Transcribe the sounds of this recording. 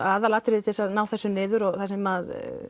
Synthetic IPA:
aːðalaːt̪ɾɪðɪt̪ʰɪsaðnaːwθɛsːʏnɪːðʏɾɔɣθasɛmað

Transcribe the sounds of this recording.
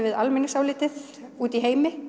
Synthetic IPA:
vɪðalmɪnːɪsaːwlɪːt̪ɪð | uːt̪iɦeːjmɪ

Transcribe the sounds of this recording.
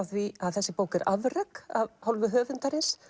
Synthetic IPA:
ðviaðθɛsːɪpoːwkɛɾa̰vrakaðhawlvʏɦœːvʏnt̪aɾɪns

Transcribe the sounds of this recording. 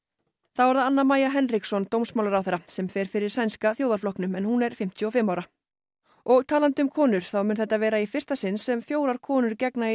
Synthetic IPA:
θawvaɾðaanːamaːjaɦɛnriksɔnt̪owmsmawlaɾawθɛɾːasɛmfɛːɾ̥fɪɾɪɾ̥sajnskaθjoːwðaɾflɔknʏmɛnhunɛɾ̥fɪm̥t̪ʰjʏɔfɪmːawɾa | ɔɣt̪ʰaːlant̪ʏmkʰɔːnʏɾ̥θawmʏnθɛht̪ːavɛːɾaifɪr̥st̪asɪnsːɛmfjoːwɾaɾ̥kʰɔːnʏɾcɛkna

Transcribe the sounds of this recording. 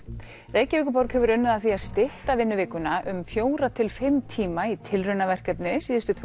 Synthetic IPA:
reːjcɪvɪːkʏpɔɾkhɛvʏɾʏnːʏðaθiaðst̪ɪht̪avɪnːʏvɪːkʏnaʔʏmfjoːwɾat̪ʰɪlfɪmt̪ʰiːmait̪ʰɪlrʏnavɛr̥kaɛp̪nɪsiːðɪst̪ʏt̪ʰ

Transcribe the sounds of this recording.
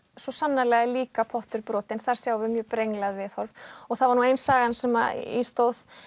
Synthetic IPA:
svɔsanːalɛɣɪliːkapʰɔht̪ʏɾpɾɔːt̪ɪnθaɾ̥sjaːwvɪmjœːpɾejŋlaðvɪðhɔɾvɔɣθaðvaɾnuːejnsaːɣansɛma̰ḭst̪owð

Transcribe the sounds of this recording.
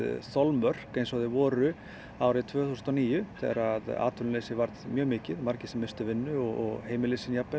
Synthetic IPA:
θɔlmœr̥kejnsɔðɪvɔːɾʏ | aːwɾɪt̪ʰvœːθust̪aniːjʏθɛ̰ɾaða̰ːt̪ʰʏnlesɪvaɾt̪mjœːɣmɪːcɪðmaɾ̥cɪ̥sɛmːɪst̪ʏvɪnːʏɔɣɔ̰ɣheːjmɪlisɪnjapːɛ

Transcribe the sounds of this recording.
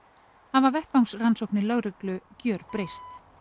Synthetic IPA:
havaɾvɛht̪awŋsransowhknɪlœɣɾʏklʏcœːɾpɾejst̪

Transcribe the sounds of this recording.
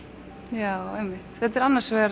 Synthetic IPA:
jaːwɛmːɪht̪θɛt̪ɛɾanːaɾ̥svɛɾ

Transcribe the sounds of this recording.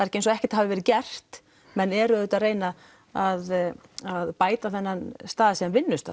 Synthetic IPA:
aɾɛhcejns̬ɔɛhcɛ̥t̪aɦavɪvɛɾɪcɛr̥t̪ | mɛnɛɾʏðʏt̪aðreːjna | aðaðpaːjt̪aθɛnːanst̪aːðsiamvɪnːʏst̪a̰

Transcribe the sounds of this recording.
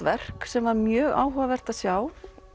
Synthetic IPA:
vɛr̥ksɛmvaɾmjœːɣa̰ːwɦɔavɛr̥t̪aðsjaːw

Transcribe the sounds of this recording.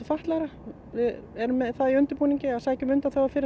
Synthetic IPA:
ʏfaht̪laɾa | vɪðɛɾmːɛðθaðiʏnt̪ʏɾpuːniɲcɪaðsaːjcʏmʏnt̪aθowvaɾfɪɾɪ

